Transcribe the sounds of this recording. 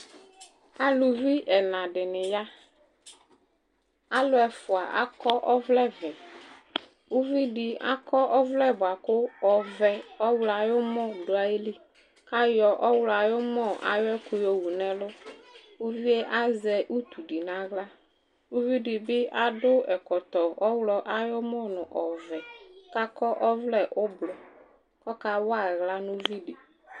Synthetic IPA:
a˨lu˨vi˦ʔɛ˨nã˨ɖɪ˨nɪ̃˨ja˦ | a˦lʊ˦ɛ˨fʊ˨a˨ʔa̰˦kɔ˦ʔɔ˦vlɛ˦vɛ˨ | u˦vi˦ɖi˨a̰˦kɔ˦ʔɔ˦vlɛ˦bʊ˨a˨kʊ˦ɔ˨vɛ˨ɔ˦wla˨jʊ˦mɔ̃˦ɖʊ˨a˨je˦li˦ | ka˦jɔ˨ʔɔ˦wla˨jʊ˦mɔ̃˦˨a̰˨jɔ˦ɛ˦kʊ˦jɔ˦wu˨nɛ̃˦lʊ˦ | u˦vi˦e˦ʔa˦zɛ˨ʔu˦t̪u˨ɖi˨nã˦ɣla˦ | u˦vi˦ɖi˨bɪ˦ʔa˦dʊ˦ɛ˨kɔ˨t̪ɔ˨ɔ˦wlɔ˨ʔa˦jɔ˦mɔ˦nʊ̃˨ʔɔ˨vɛ˨ka˦kɔ˦ʔɔ˦vlɛ˨ʔʊ˦blɔ˨ | kɔ˦ka˨wa˦˨ɣla˦nʊ˦vi˦ɖi˨

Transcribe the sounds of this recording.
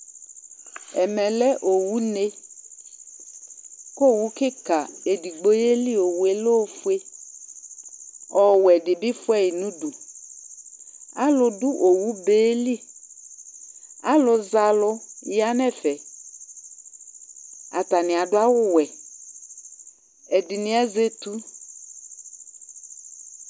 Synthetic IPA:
ɛ˨mɛ˨lɛ˦ʔo˨wu˦ne˦ | ko˦˨wu˦kɪ˦ka˨e˨di˨ɡ͡bo˦e˦li˦o˨we˨lo˦fu˦e˦ | ɔ˨wɛ˨dɪ˨bɪ˦fʊ˦ɛ˦i˨nũ˦du˨ | a˦lʊ˨dʊ˦ʔo˨wu˦beː˨˦li˦ | a˦lʊ˨za˨lʊ˦ja˦nɛ˦fɛ˨ | a˨t̪a˨nɪ̃˨a˨dʊ˦a˦wʊ˦wɛ˨ | ɛ˨dɪ˨nɪ̃˦ɛ˦ze˦tu˦

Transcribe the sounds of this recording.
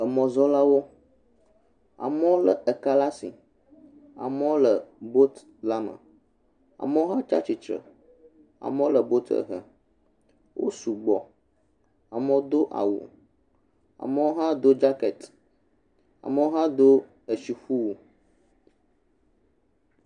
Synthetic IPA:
ə˨mɔ̃˨zɔ˦la˦wo˦ | a̰˨mɛ˦wo˦lə˨ə˨ka˦la˦sḭ˨ | a̰˨mɛ˦wo˦lə˨bo˦t̪ | la˦mə̰̃˨ | a̰˨mə˦wo˦ɦã˦t͡ʃa̰˦t͡ʃi˨t͡ʃɾə̰˨ | a̰˨mə˦wo˦lə˨bo˦t̪ə̰˨ɦə̰˨ | wʔo̰˦su˨ɡ͡bɔ˨ | a˨mə˦wo˦d̪o˦ʔa̰˨wṵ˨ | a̰˨mə˦wo˦ɦã˦d̪o˦d͡ʒa˦kɛ˨t̪ | a̰˨mə˦wo˦ɦã˦d̪o˦ | ə˨ʃi˨ɸu˦wo˨

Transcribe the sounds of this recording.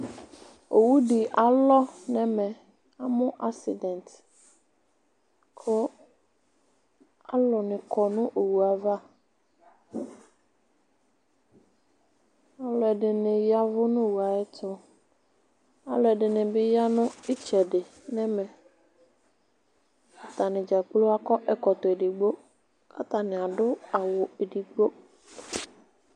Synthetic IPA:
o˨wu˦ɖi˨ʔa˨lɔ˦nɛ̃˦mɛ̃˨ | a˨mʊ̃˦ʔa˦ksḭ˨dɛ̃˨nt | kʰʊ˦ | a˦lɔ˨nɪ̃˨kʰɔ˨nʊ̃˦ʔo˨wu˨a˨va˦ | a˨lɔ˨ɛ˨dɪ˨nɪ̃˨ja˦vʊ˦nʊ̃˦˨wu˨a˨ɪ˦tʊ˦ | a˨lɔ˨ɛ˨dɪ˨nɪ̃˨bɪ˦ja˦nʊ̃˦ɪ˦t͡ʃɛ˨dɪ˨ | nɛ˦mɛ˨ | ka˨t̪a˨nɪ̃˨d͡ʒa˨k͡plo˦a˦kɔ˦ʔɛ˨kɔ˨t̪ʊ˨e˨dɪ˨ɡ͡bo˦ | ka˦t̪a˨nɪ̃˨a˨dʊ˦a˨wʊ˨e˨di˨ɡ͡bo˦

